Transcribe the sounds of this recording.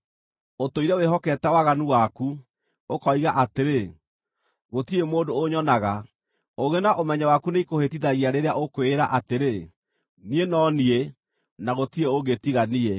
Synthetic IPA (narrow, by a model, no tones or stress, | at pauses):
otoiɾɛoweɦɔkɛtɛwaɣanuwaku | okɔiɣaʔateɾe | ɣotiemoːdoːɲɔnaɣa | oɣenaʔomɛɲɛwakuneikohetiðaɣiaɾeɾeaʔokweɾaʔateɾe | nienɔnie | naɣotieoɡetiɣanie